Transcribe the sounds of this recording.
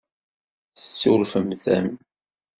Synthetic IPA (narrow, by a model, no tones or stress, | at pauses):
θət͡sːʊɾfəmθæ̰m